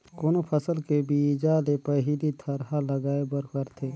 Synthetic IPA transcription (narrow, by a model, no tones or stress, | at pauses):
koːnopʰəsəlkebid͡ʒalepəɦilit̪ʰəɾɦaləɡaːebəɾkəɾt̪ʰe